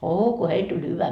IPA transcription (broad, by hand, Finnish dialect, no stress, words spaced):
oː ko heil tulʲ hyʋæ